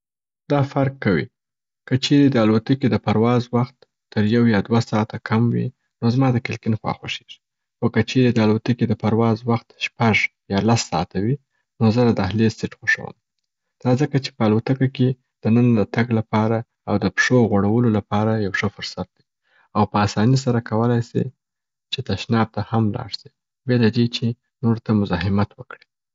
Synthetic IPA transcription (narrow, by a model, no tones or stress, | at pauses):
d̪̥ɑfaɾkːawḭ | kət͡ʃeɾed̪əalat̪əked̪əpaɾwɑzwaxt̪ː | əɾjawjɑd̪wasɑt̪akʰamwḭ | nozmɑd̪əkɪlkɪnxwɑ̰xwoʃe̥ʒi̥ | xokət͡ʃeɾed̪əalat̪əked̪əpaɾwɑzwaxt̪ʃpaʒ | jɑlasːɑ̰t̪awi | nozəd̪ad̪əahlesɪʈxoʂa̰wə̰m | d̪̥ɑzəkat͡ʃe̥pəalot̪əkake | d̪̥ənənad̪ət̪aɡlapɑɾa | awd̪əpʂoɣoɽawəlolapɑɾajawʂəfʊɾsat̪̚d̪i | awpəasɑnis̬aɾakawəlajsḭ | t͡ʃet̪aʃnɑb̚t̪ahamlɑ̰ɽsi | belad̪et͡ʃe | noɾt̪amʊzɑɦɪmat̪wəkɽi